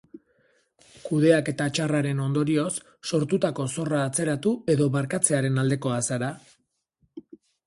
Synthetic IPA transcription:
kuð̞e̞ake̞t̪at͡ʃaraɾe̞no̞nd̪o̞ɾio̞sː | o̞ɾt̪ut̪ako̞so̞raːt͡se̞ɾat̪ue̞ðo̞βaɾkat͡se̞aɾe̞nald̪e̞ko̞asaɾa

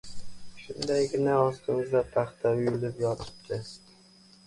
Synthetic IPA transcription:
ʃʊnd̪ajɡʲɪnaɒst̪ʰɪmɪzd̪ap̪ʰɑχt̪ʰaʊjʊlɪpjɒt̪ʰɪ̥p̚t̪ʰʲɪ

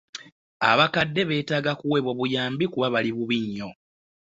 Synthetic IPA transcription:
a̰βakadːe̞βe̞ːtaːɡakuwe̞βwo̞βujaːmbikuβaβaliβuβiɲːo̞

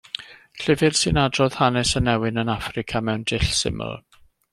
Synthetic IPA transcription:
ɬɪvɪrsɨnadrɔð̥hanɛsənɛwɪnənafrɪkʰamɛwndɪɬsɪ̰mə̰lˠ

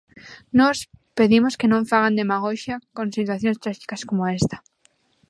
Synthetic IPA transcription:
nɔspeðimoskenõɱfaɣ̞and̪emaɣoʃakõŋsit̪waθjõnst̪ɾaʃi̥kaskomoest̪ḁ

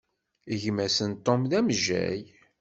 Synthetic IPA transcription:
əʝmæsənt̪ˤːomðæmʒːæ̰j

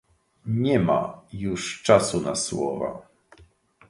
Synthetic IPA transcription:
ɲɛma̰juʂt͡ʂasunaswɔ̰va̰

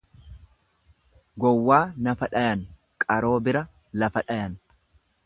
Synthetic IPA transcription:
ɡɔwːaːnɐfɐᶑɐjɐn | kʼɐɾo̞ːbɪɾɐ | lɐfɐᶑɐjɐn

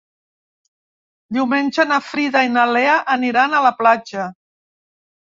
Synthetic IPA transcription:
d̪iwmenʲʒənafɾiðainaleəʔəniɾanələplad͡ʒə

